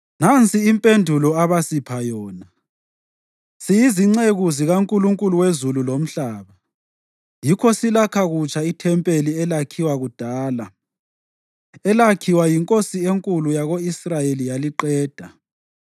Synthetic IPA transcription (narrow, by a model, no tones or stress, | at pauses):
nant͡sʼʰiːmpʼendʱulɔaβasipʰajɔːna | sijiziŋ͡ǀeɣuziɣaŋkʼuluŋkʼuluwezululom̩ɬaːβa | jikʰɔsilakʰaɣut͡ʃʼaitʰɛmpʼeliɛlakʰiwaɣud̥ʱaːla | ɛlakʰiwajiŋkʼosieŋkʼulujaɣoisrajelijaliǃɛːd̥ʱa